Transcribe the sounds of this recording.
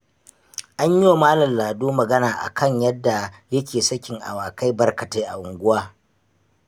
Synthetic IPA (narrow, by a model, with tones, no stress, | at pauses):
ʔa˦ɲji˦wa˨maː˦lɐ˨nlaː˨duː˦mɐ˨ɡɐ˦naː˨ʔa̰˨kʰɐ˦ɲjɐ˦dːa˨jɐ˦kʲeː˨sɐ˦kʲɪ˨ŋʔa̰˨waː˨kʰa˦jbɐ˦rkɐ˨teː˦ʔa̰˨ʔʊ˨ŋɡʷʊ˦waː˦